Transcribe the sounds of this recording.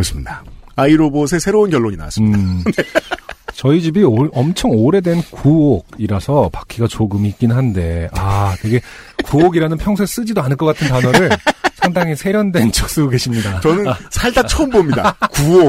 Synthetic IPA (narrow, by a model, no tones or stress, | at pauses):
ʌɕʰi̥mɲidaaiɾobosʰe̞sʰe̞ɾounkʲjʌɭːoɲina̰as͈ɯ | t͡ɕʌid͡ʑibioʌmt͡ɕʰʌŋoɾe̞dwe̞nkuoɡ̚iɾasʰʌpakʰiɡat͡ɕoɡɯmiːk̚k͈innɦande̞atweɡe̞kuoɡiɾanɯnpʰjʌŋsʰes͈ɯd͡ʑidoanɯɭk͈ʌk͈atʰɯntanʌɾɯɭsʰaŋdaŋisʰe̞ɾjʌndwe̞nt͡ɕʰok̚s͈ɯɡoɡe̞ɕʰimɲidat͡ɕʌnɯnsʰaɭdat͡ɕʰʌɯmbomɲida̰kuo